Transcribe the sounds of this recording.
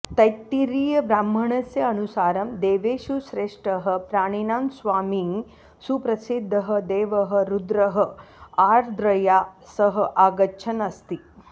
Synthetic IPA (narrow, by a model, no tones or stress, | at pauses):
t̪ɐjt̪ːiɾiːjɐbɾaːmb̤ʱɐɳɐsjɐːnusaːɾɐmd̪eːʋeːʃusɾeːʂʈɐɦɐ̆pɾaːɳinaːnsʋaːmi | supɾɐsid̪ʱːɐɦɐd̪eːʋɐɦɐ̆ɾud̪ɾɐɦɐaːɾd̪ɾɐjaːsɐɦɐ̆ʔaːɡɐt͡ʃʰɐnɐst̪i